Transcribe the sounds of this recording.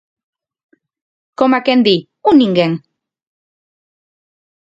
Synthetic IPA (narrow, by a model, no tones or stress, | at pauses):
komakend̪i | uniŋɡeŋ